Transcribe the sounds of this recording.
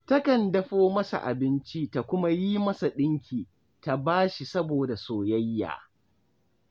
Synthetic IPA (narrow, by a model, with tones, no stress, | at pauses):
tɐ˦kɐ˨ndɐ˦ɸoː˦mɐ˦sa̰˨ʔa̰˨bɪ˦nt͡ʃi˦ta˨kʷʊ˦ma˦ji˦mɐ˦sa˨ɗɪ˦ŋkʲiː˨ | ta˨baː˦ʃi˨sɐ˦boː˨da˨soː˨jɐ˦jːa̰ː˨